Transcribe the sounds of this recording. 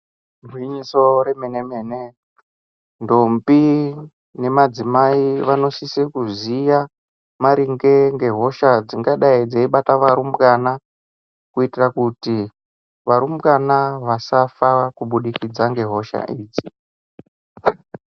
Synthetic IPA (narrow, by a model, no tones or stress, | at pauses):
rwiɲiso̞ɾemenemeːne | ndombi | ne̞mad͡zimaiʋano̞sisikuzija | maɾiŋɡe̞ŋɡe̞ɦo̞ʃad͡ziŋɡaɗaid͡zeiɓataʋaɾumkana | kuitirakuti | ʋaɾumkanaʋasafakuɓuɗikid͡zaŋɡe̞ɦo̞ʃa̰ʔiːd͡zi